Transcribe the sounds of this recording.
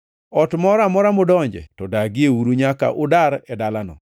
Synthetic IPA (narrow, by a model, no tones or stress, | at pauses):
ɔtmɔɾamɔɾamʊdɔɲd͡ʒɛ̰tɔdaɡɪeuɾuɲaka̰ʔʊdaɾɛdalanɔ̰